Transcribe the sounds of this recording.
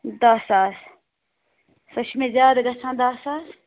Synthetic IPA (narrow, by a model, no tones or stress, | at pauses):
d̪aːsaːs | sɐʃʰmẽːzjaːd̪ɡɐt͡sʰãːd̪aːsaːs